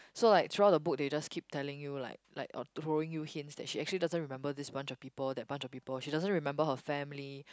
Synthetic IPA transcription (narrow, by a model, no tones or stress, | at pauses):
solaɪk̚t̪ʰɹuaʊt̚dəbʊk̚ded͡ʒaskʰip̚tʰɛlɪ̃ŋjula̰ɪla̰ɪkɔ̰tɹoɪ̃ŋjuhɪ̃nsdɛ̰t̚ʃiɛk̚t͡ʃuəlidazə̃nɹimɛ̃mbədɪsbãnt͡ʃɔfpipəldɛt̚bãnt͡ʃɔfpiːpəlʃidazə̃nɹimɛ̃mbəɦəfɛ̃mli